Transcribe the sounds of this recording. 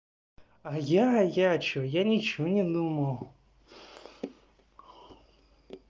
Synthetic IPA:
ajajat͡ɕojanʲɪt͡ɕɔnʲɪd̪uməw

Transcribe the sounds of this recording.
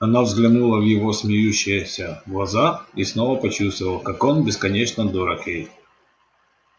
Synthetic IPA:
ɐnavzɡlʲɪnulˠəvjɪvo̞smʲɪjʉɕːɪjəsʲəɡlˠɐzaisno̞vəpɐt͡ɕust̪vəlˠəkako̞nbʲɪskɐnʲet͡ɕnəd̪oɾɐkjej

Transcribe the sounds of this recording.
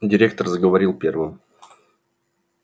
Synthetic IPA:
dʲɪɾʲe̞k̚t̪ərzəɡəvɐɾʲilˠpʲe̞rvɨm

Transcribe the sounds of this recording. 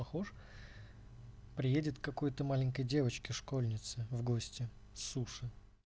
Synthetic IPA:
pɐxoʂ | pɾʲɪjedʲɪt̪kːɐko̞jt̪əmalʲɪŋʲkəjdʲe̞vət͡ɕkʲɪʂko̞lʲnʲɪt̪sɨvɡosʲtʲɪ | suʂɨ

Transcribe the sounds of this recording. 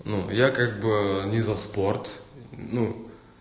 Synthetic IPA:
nujakaɡ̚bɨnʲɪzɐspo̞rt̪nu

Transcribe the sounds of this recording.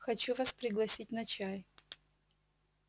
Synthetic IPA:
xɐt͡ɕuvaspɾʲɪɡlˠɐsʲit̚ʲnɐt͡ɕaj

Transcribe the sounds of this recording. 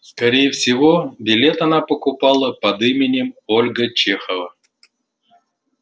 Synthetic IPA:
skɐɾʲejɪfsʲɪvobʲɪlʲe̞t̪ɐnapəkʊpɑlˠəpɐd̪ɨmʲɪnʲɪmolʲɡət͡ɕexəvə

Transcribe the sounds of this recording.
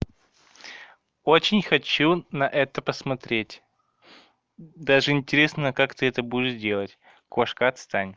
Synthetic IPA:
ot͡ɕɪnʲxɐt͡ɕunɐʔɛt̪əpəsmɐt̪ɾʲetʲ | d̪aʐɨɪnʲtʲɪɾʲe̞snəkakt̪ɨɛt̪əbudʲɪʂdʲe̞lˠətʲ | koʂkəɐt̪st̪anʲ

